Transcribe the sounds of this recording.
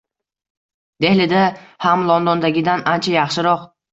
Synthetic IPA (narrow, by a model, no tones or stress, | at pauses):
d̪e̞hlɪd̪ahamlˠɒnd̪ɒnd̪aɡʲɪd̪anant͡ʃʰajɑχʃɪɾɒq